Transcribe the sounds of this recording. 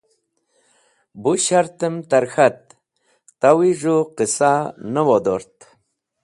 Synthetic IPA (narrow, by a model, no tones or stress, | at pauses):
buɕaɾt̪əmt̪aɾxat̪̚ | t̪awiʐuqisanəwod̪oɾt̪